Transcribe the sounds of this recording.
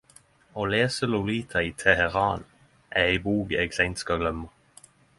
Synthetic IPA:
oːleːsəluliːt̪ʰɑiːt̪ʰɛhɛʁɑːn | ʔææɪbuːɡeːɡsæɪnt̪skɑɡlœmə

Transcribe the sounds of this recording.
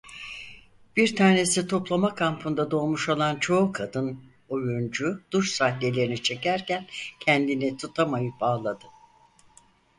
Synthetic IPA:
b̥iɾt̪ʰaːne̞sit̪ʰo̞plˠamakʰampʰund̪ad̪o̞ːmuʃolˠant͡ʃʰo̞ukʰad̪ɯn | ojund͡ʒud̪̥uʃsahlʲe̞lʲe̞ɾinit͡ʃʰe̞cæɾcæncʰɛnd̪init̪ʰut̪ʰamajɯp̚baːlˠad̪ɯ

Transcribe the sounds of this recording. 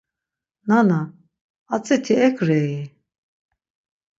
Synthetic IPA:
nana | at͡sʼɛt̪ʰiɛkʰɾɛi

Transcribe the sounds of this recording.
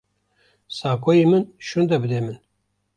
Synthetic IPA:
saːkojimɨnʃund̪ɐbɨd̪eːmɨn

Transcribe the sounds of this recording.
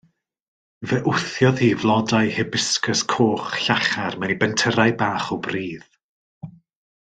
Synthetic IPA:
vɛʔʊθjɔðiːvlˠɔdajhɪbɪskəskʰoːχɬaχarmɛnibɛntʰəɾajbaːχɔbriːð

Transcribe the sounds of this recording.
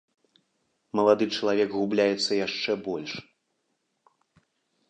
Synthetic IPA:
mɐlˠad̪ɨt͡ʂɐlˠavʲɛɡɣublʲajɛt̪sːɐjaʂt͡ʂɛbɔlʲʂ

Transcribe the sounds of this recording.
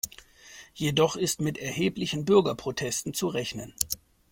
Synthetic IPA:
jedɔχɪstmɪtɛɐheːplɪçn̩bʏɐɡɐpʁ̥otʰɛstn̩t͡suʁɛçnən

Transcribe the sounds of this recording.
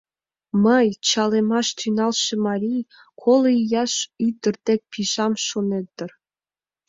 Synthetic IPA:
mɤjt͡ɕɑlemɑʃt̪ʰynɑlˠʃĕmɑɾʲij | kʰolˠɤjɑʃyd̪ə̆rd̪ek̚ʲpʲʰiʒɑmʃonet̪ːɘ̆r

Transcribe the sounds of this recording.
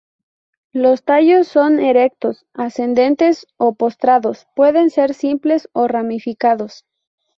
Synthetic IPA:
lo̞st̪aʝo̞sːo̞neɾe̞k̚t̪o̞s | ase̞nd̪e̞nt̪e̞so̞po̞st̪ɾaðo̞spwe̞ðe̞nse̞ɾsimple̞so̞ramifikaðo̞s

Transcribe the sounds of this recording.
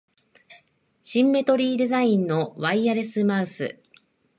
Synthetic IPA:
ɕĩmːe̞t̪o̞ɾʲiːd̪e̞zaĩnːo̞βaiaɾe̞sɨmaɯsɨ̰

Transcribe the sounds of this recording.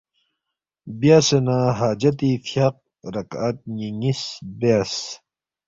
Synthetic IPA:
bjaːsenaɦaːd͡ʑɐt̪ifjaq̚ | ɾɐkɐt̪̚ɲiŋisbes

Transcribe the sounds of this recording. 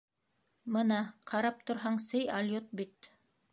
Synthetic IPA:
mɤnɑqʰɑɾɑp̚t̪ŏɾɦɑɴsɘjalʲjot̪̚bit̪̚

